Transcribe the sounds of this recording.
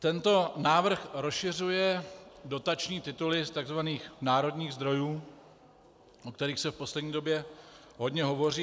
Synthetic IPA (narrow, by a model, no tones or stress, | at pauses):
t̪ɛnt̪o̞naːvr̩xɾosʃɪr̝ujɛdo̞t̪at͡ʃɲiːt̪ɪt̪ulɪst̪aɡzvaniːxnaːɾo̞dɲiːɣzd̪ɾo̞juː | ʔokt̪ɛɾiːxsɛfpo̞slɛdɲiːdo̞bjɛ | ɦo̞dɲɛɦovo̞riː